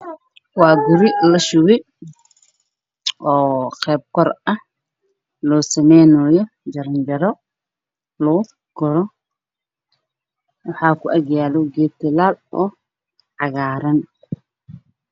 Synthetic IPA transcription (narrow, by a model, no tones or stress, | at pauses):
wɑːɡʊɾɪlɐʃʊwɪ | ʔɔːqɛːb̚kʰɔrɐh | lɔːsɐmɛjnɔːjɔ | d͡ʒɐɾɐnd͡ʒɐɾɔ | lɔʊ | ɡʊɾɔ | wɑħɑːkʰʊʔɐɡjaːlɔɡɛːt̪ɪlaːlɔː | ʕɑɣaːɾɐn